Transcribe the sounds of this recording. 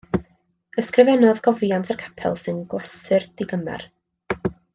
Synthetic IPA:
əskrɪvɛnɔðɡɔvjantʰarkʰḁpʰɛ̰lˠsɨnɡlˠasɨrd̥ɪɡəmɛ̰r

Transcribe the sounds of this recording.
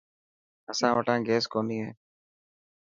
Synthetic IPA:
əsãːʋəʈãːɡeːskoːniːɦɛ̰̃ː

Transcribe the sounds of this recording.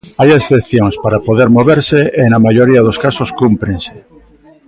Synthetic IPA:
ajesθepθjoŋspaɾapoðeɾmoβeɾseenamaʎoɾiaðoskasoskumpɾeŋse̥

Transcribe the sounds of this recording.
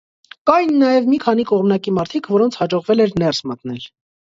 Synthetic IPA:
kɑjnːɑjɛvmikʰɑn̪ikɔʁmnɑkimɑɾt̪ʰikʰvɔɾɔnt͡sʰhɑd͡ʒɔʁvɛlɛɾnɛrsmət̪nɛl

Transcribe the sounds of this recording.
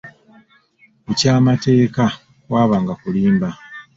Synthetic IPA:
ecaːmate̞ːka | kwaːβaːŋɡakuliːmba

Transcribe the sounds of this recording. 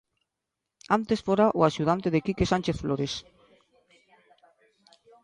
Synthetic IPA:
ant̪esfoɾaʔoaʃuð̞ant̪eðekikesanʲt͡ʃeθfloɾes

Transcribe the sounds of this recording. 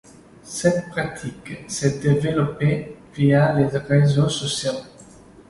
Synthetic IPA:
sɛt̪pχat̪ʰiksɛd̪evelɔpevialeʁezosɔsjo

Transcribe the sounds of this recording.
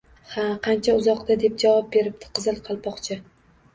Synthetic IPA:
haqʰɑnt͡ʃʰaʊzɒqd̪ad̪e̞p̚d͡ʒavɒp̚be̞ɾɪp̚t̪ʰɪ̥qʰɨzɨlˠqʰɑlˠpɒqt͡ʃʰɪ

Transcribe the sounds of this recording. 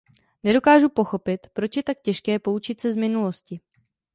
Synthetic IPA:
nɛdo̞kaːʒupo̞xo̞pɪt̪pɾo̞t͡ʃjɛt̪ak̚cɛʃkɛːpo̞ut͡ʃɪt̪sɛzmɪnulo̞scɪ

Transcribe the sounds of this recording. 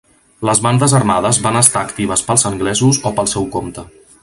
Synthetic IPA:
ləzβand̪əzərmaðəzβanəst̪aːkt̪iβ̞əspəlˠzəŋɡlɛzuzopəlˠsɛwkomt̪ə

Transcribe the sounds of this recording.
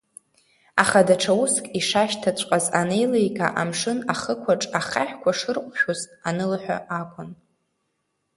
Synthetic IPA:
aχadaʈ͡ʂʰawuskʼiʂaʃtʰat͡ɕʷʼqʼazanejlejkʼa̰ʔamʂɨnaχəkʷʰaʈ͡ʂʼaχaħkʷʰaʂɨrqʷʼʃᶣozʼanɨlħʷᶣa̰ʔakʷʰʼʊn

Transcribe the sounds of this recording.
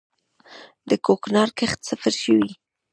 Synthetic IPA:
d̪əkoknɑɾkəxt̪safaɾʃəwi

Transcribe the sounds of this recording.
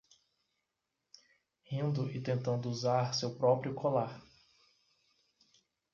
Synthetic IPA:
hĩnd̪ʊʔɪt̪ẽnt̪ɐ̃nd̪ʊuzaɾsewpɾɔpɾijʊkʰolaɾ

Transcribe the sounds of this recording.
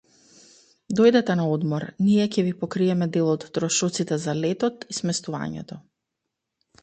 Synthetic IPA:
d̪ɔjd̪ɛt̪ɛnaɔd̪mɔɾniɛcʲɛvipɔkɾiɛmɛd̪ɛlˠɔt̪ːɾɔʃɔt̪sit̪ɛzalɛt̪ɔt̪ismɛst̪uva̰ɲɛ̰t̪ɔ

